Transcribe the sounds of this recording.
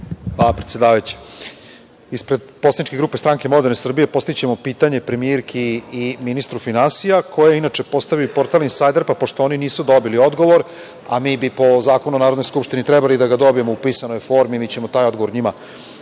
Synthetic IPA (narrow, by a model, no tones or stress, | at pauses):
ʋapɾet̪jed̪aːʋajt͡ɕe̥ | ispɾed̪̚posanit͡ʃkeɡɾuːpest̪ɾaŋke̞mo̞d̪eɾnesr̩bije̞po̞st̪it͡ɕemo̞piːt̪aɲe̞pɾe̞mieɾkʰiːminist̪ɾufinansijakʰo̞jeinat͡ʂe̞po̞st̪aʋiupo̞ɾt̪alˠinsajd̪aɾpapo̞ʃt̪ooniniːsud̪o̞bilio̞d̪ɡo̞ʋo̞ɾ | a̰miːbipo̞zaːkonunaːɾod̪nojskupʃt̪init̪ɾɛbalid̪aɡad̪o̞bije̞moupisanojfo̞ɾmimit͡ɕe̞mot̪aːjo̞d̪ɡo̞ʋoɾɲima